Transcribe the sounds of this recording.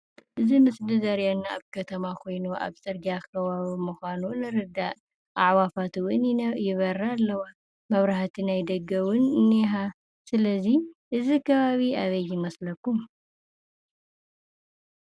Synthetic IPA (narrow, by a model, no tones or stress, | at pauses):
ʔɨzimɨsdizɐɾjanːaa̰βkʰɐt̪ʰɐmakʰo̞jnuʔa̰βsʼɨɾɡiakʰɐβaβimuxʷanunɨɾɨd̪ːaʔ | ʔaʕwafat̪wʊnjɪβɐɾaːlːɐwa | mɐβɾaħt̪ʰinajd̪ɐɡɐwʊnɨniɦa | sɨlɐziʔɨzikʰɐβaβiaβɐjːɪmɐslɐkːum